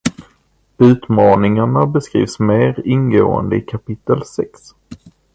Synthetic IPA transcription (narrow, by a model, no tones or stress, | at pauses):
ʉ̟ːt̪mɑːnɪŋaɳabɛskɾḭːvsmeːɾɪnɡoːə̰nd̪əɪkʰapɪt̪ːəlsɛks